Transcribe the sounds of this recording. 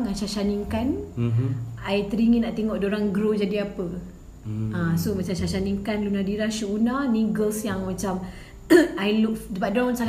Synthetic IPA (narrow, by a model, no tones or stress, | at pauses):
ŋaʃaʃaniŋkan | ajt̪əɾiŋinaʔt̪eŋɔʔdoɾaŋɡɾod͡ʒadiapə | ãsomat͡ʃamʃaʃaniŋkanlunadiɾahʃuunaniɡəlsjaŋmat͡ʃam | ajluk̚dəbadɾawnsal